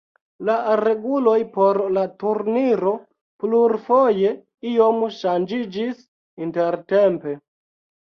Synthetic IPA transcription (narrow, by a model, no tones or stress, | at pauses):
laɾe̞ɡulo̞jpoɾlatuɾniɾo̞ | pluɾfoje̞ | io̞mʃand͡ʒid͡ʒis | inte̞ɾtempe